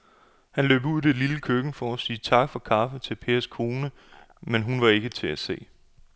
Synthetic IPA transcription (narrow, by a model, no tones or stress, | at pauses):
hænlø̰ːb̥uð̰ˠd̥e̝liləkʰøɡ̥̩fɒɒsiːt͡sʰɑ̈ɡ̥fɒ̽kʰɑ̈ːfət͡sʰe̝lpʰe̝ːɐskʰo̝ːnə | menɦunʋɑ̈e̝ɡ̥ət͡sʰe̝æse̝̰ː